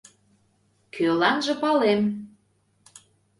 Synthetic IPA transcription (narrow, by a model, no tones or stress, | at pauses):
kʰølɑnʒə̆pɑlem